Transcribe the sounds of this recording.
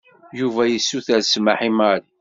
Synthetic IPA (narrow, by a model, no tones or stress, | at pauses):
juvæjisːuθæɾsmaħimaɾ